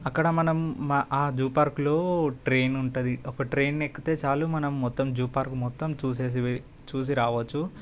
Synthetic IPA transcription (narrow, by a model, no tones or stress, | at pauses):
ɐkːɐɽɐmɐnɐmʔaːd͡ʒuːpaːɾklo̞ːʈɾeːnuɳʈud̪iɔkɐʈɾeːnːekːit̪e̞ːt͡ʃaːluːmɐnɐmːɔt̪ːɐmd͡ʒuːpaːɾkumɔt̪ːɐmt͡ʃuːse̞ːs̬i | t͡ʃuːs̬iɾaːʋɐt͡ʃːu